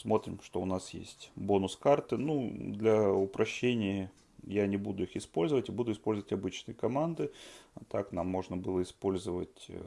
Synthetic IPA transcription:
smo̞t̪ɾʲɪmʂt̪oʊnasjḛsʲtʲbo̞nʊskart̪ɨnud̪lʲɐʊpɾɐɕːenʲɪjə | janʲɪbud̪ʊixɪspo̞lʲzəvətʲɪbud̪ʊɪspo̞lʲzəvətʲɐbɨt͡ɕnɨjəkɐmand̪ɨt̪aknamːo̞ʐnəbɨlˠəɪspo̞lʲzəvətʲ

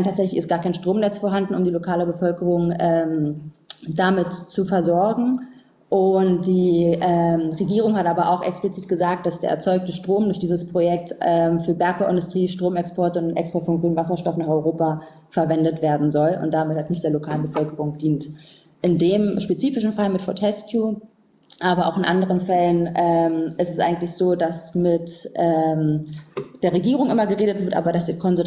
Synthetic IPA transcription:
anʰaːtzɛçlɪçɪst̚ɡ̥aːɐkʰaɪnʃtʁ̥oːmnɛt͡sfoːɐɦandn̩ʊ̰mdiːlokʰaːləbəfœlkəʁʊŋʔɛːm | damɪtt͡sufɛɐzɔɐɡŋ̩ | ʔʊntd̥iːʔɛːmʁeɡiːʁ̞ʊŋhatʔaːbɐʔa̰ʊxʔɛ̰ksplit͡siːtɡ̥əzaːk̚t̚d̥asd̥eːɐɛ̰ɐt͡sɔʏk̚təʃtʁ̥oːmdʊɐçd̥iːzəspʁ̥ojɛk̚tɛmfyːɐbɛɐkfaʔɪ̰ndʊstʁ̥iːʃtʁ̥oːmɛkspɔɐtəʊnnʔɛ̰kspɔɐtfɔnɡʁyːnvas̬ɐʃtɔfnaːχɔʏʁoːpa | fɛɐvɛndətv̥eːɐdn̩zɔlʊ̰nt̚d̥amɪthatnɪçtd̥eːɐlokʰaːlənbəfœlkəʁʊŋd̥iːnt | ʔɪndeːmʃpet͡siːfɪʃn̩falmɪtfɔɐtʰɛskʰjuː | ʔaːbɐʔa̰ʊxɪnʔandəʁ̞ənfɛlənʔɛːmʔɪstɛsʔa̰ɪɡŋ̩tlɪçz̥oːdasmɪtʔɛːm | d̥eːɐʁeɡiːʁ̞ʊŋʔɪmɐɡəʁeːdətv̥ɪɐtʔa̰ːbɐdasd̥ikʰɔnzʊ

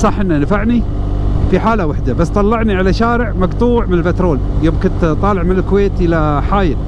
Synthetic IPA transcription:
sˤɑħʔɪnːanafaʕni | fiħaːlawaħd̪abasːt̪ˤɑlːɑʕniʕalaʃaːɾɪʕmɑɡt̪ˤuːʕmɪnɪlbɪt̪ɾˤoːljoːmkʊnt̪t̪ˤɑːlɪʕmɪnɪlkʊweːt̪ʔɪlaħaːjɪl

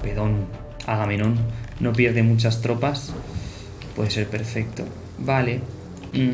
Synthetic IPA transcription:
peðon | a̰ɣame̞nõnːo̞pje̞ɾðe̞mut͡ʃast̪ɾo̞pas | pwe̞ðe̞se̞ɾpe̞ɾfe̞k̚t̪o̰ | bale

